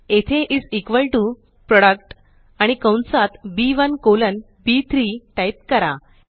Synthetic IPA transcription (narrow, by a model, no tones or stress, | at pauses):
et̪ʰeʔid͡zikʋəlʈu | pɾɔɽək̚ʈ | aɽ̃ikə̃w̃nt͡sat̪biʋənkolən | biːt̪ʰɾiːʈajp̚kəɾa̰